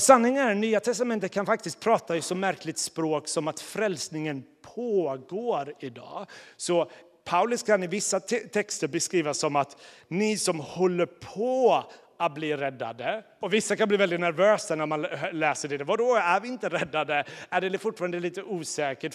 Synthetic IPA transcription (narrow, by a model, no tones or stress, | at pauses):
sanːɪŋanyːat̪ʰɛst̪amɛnt̪ət̪̚kʰanfak̚t̪ɪst̪̚pʰɾɑːt̪ajɵsɔmːæɾklɪt̪spɾoːksɔmat̪fɾɛlsnɪŋənpʰoːɡoːɾɪd̪ɑ̰ːsɔ | pʰaʊlɵskʰanɪvɪsːat̪ʰɛkst̪əɾbɛskɾiːvasɔmat̪nɪsɔmhɔlːəɾpʰɔ | at̪̚bliːɾɛd̪ːa̰d̪ə | ɔvɪsːakanbliːvɛld̪ɪt̪næɾvøːsanæɾmanlɛːsəɖɛd̪ɛvad̪ɔæɾvɪɪnt̪əɾɛd̪ːad̪əæɖɛlɛfʊʈfɑːɾand̪əliːt̪əʔuːsɛːkəʈ